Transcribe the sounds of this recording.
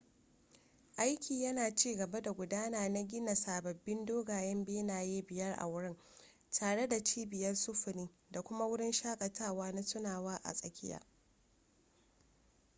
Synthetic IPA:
ʔa˦jkʲiː˨jɐ˦naː˨t͡ʃiː˦ɡɐ˨ba˦da˨ɡʷʊ˨daː˦naː˨na˦ɡʲɪ˦na˨saː˨bɐ˨bːɪ˦ndoː˦ɡaː˨jɛ˦mbeː˦naː˨jeː˦bɪ˨jɐ˦rʔa̰˨wʊ˦ɽɪ˦n | tʰaː˨ɽe˦da˨t͡ʃiː˦bɪ˨jɐ˦rsʊ˦ɸʊ˨niː˦ | da˨kʷʊ˦ma˦wʊ˦ɽɪ˦nʃaː˦kʼɐ˨tʰaː˦˨waː˦na˦sʊ˦naː˨waː˦ʔa̰˨sʼɐ˨kʲɪ˦ja̰ː˦

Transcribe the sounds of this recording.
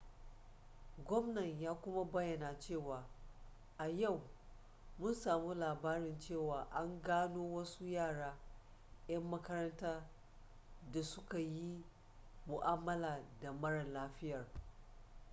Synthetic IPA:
ɡʷɔ˦mnɐ˨ɲjaː˦kʷʊ˦ma˦bɐ˦jːɐ˨naː˨t͡ʃeː˦˨waː˨ | ʔa˨ja˦˨w | mʊ˦nsaː˨mu˦laː˨baː˦ɾɪ˨nt͡ʃeː˦˨waː˨ʔa˦ŋɡaː˦noː˦wɐ˦su˦jaː˦˨ɽaː˦ | j̰ɐ˦mːɐ˦kɐ˦ɾɐ˦ntaː˦ | da˨sʊ˦ka˨ji˦ | mʊ˨ʔaː˦mːɐ˦laː˨da˨mɐ˦ɽɐ˨nlaː˦ɸɪ˦jɐ˨r

